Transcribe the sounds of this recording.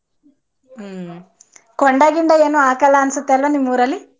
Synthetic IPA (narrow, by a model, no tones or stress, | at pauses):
kɔɳɖaːɡiɳɖɐeːnoːaːkɐlaɐnsut̪ːɐlʋonimuːɾɐlːi